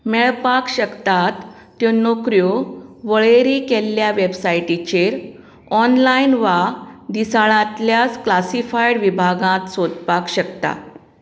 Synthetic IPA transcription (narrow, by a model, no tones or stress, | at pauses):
mɛɭpakɕəkt̪at̪ː | jɔnokɾjoʋəɭeɾikelːjaʋebsajʈit͡ɕeɾ | ɔnlainʋad̪isaɭãt̪ljat͡sklasifajɽʋibʱaɡãt̪sod̪pakɕəkt̪a̰